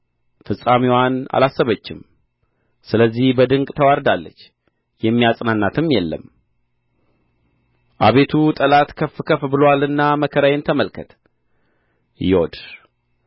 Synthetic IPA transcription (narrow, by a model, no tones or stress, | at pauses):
fɨsʼamiwana̰lasːəβət͡ʃːɪm | sɨləzːihbəd̪ɨŋkʼt̪ʰəwaɾd̪alːət͡ʃː | jɛmːijasʼnanːat̪ʰɨmjɛlːə̰m | ʔa̰βe̞t̪ʰut̪ʼəlat̪kʰəfɨkʰəfbɨlowalɨnːaməkʰəɾajent̪ʰəməlkʰət̪ | jɛwo̰d̪